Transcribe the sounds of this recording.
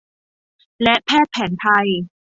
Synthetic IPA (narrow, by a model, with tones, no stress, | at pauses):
lɛ˦˥ʔpʰɛː˥˩t̪̚pʰɛː˩˦nt̪ʰa˧j